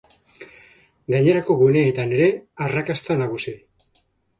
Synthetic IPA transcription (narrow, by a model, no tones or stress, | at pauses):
ɡaɲe̞ɾako̞ɣune̞et̪ane̞ɾe̞arakast̪anaɣ̞usi